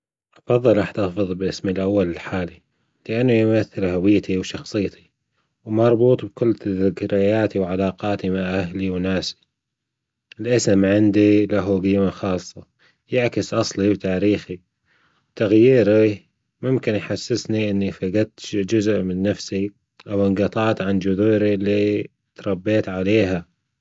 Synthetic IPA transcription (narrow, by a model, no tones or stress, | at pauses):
ʔɑfɑðˤːɨlʔɑħt̪ɑfɨðˤbʔɪsmilʔawːalɪlħaːli | lɪʔanːujmaθːɪlɦawɪjːt̪ʰiwʃɑxsˤɨjːt̪i̥ | wmɑɾˤbuːt̪ˤb̚kʊlːt̪ðɪkɾajaːt̪iwʕalaːqɑːt̪imaʕʔahliwnaːsi̥ | ʔɪlʔɪsmʕɪnd̪ilaɦuɡiːmaxɑːsˤːɑ | jaʕkɪsʔɑsˤlibt̪aːɾiːxi | wt̪aɣjiːɾi | mʊmkɪnjħasːɪsniʔɪnːifaɡat̪d͡ʒʊzʔmɪnːafsi | ʔawɪŋɡɑt̪ˤɑːt̪ʕand͡ʒʊðuːɾilːi | t̪ɾˤɑbːeːt̪ʕaleːɦa